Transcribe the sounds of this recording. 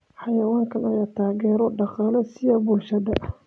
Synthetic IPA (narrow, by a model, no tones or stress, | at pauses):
ħɑjɐwaːŋkʰɐnɐjat̪ʰaːɣɛːɾɔɖɑqɑːlɐsɪjɐbʊlʃɐðɐ